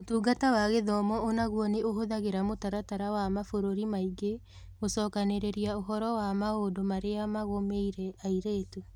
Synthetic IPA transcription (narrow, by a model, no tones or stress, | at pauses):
otuːɡatawaɣeðɔmɔonaɣwɔneʔoɦoðaɣeɾamotaɾataɾawamafoɾoɾimaiɡe | ɣosɔːkaneɾeɾiaoɦɔɾɔwamaodomaɾeamaɣomeiɾɛaiɾeːtu